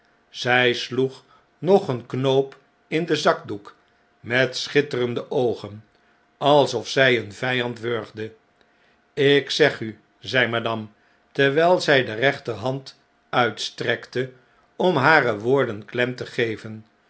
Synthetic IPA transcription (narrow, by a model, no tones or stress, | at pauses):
z̥ɛjsluχ | nɔχənknowp | ɪndəzɑk̚duk | mɛtsχɪtərəndəʔowχən | ɑlˠsɔfsɛjənvɛjɑntʋøɹχdə | ɪksɛχy | zɛjmadɑm | tɛɹʋɛlˠzɛjdərɛχtəɦɑnt | œɥtstrɛktə | ɔmɦaːrəʋʊːɹdənklɛmtəχejvən